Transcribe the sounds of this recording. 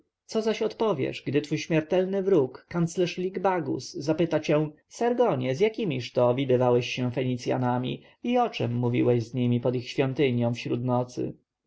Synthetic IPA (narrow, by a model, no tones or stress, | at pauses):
t̪sɔzaɕɔt̪pɔvʲjɛ̰ʂɡd̪ɘt̪fujɕmʲjɛɾt̪ɛlnɘvɾukːant̪slɛʂlʲiɡbaɡṵszapɘt̪at͡ɕɛw̃ | saɾɡɔɲɛzjakʲimʲiʂt̪ɔvʲid̪ɘvawɛɕɕɛfɛɲit̪sʲja̰namʲḭ | iɔt͡ʂɛmːuvʲḭwɛʑzɲimʲipɔd̪ixɕfʲjɔnt̪ɘɲjɔ̃w̃fɕɾut̪nɔt̪sɘ̰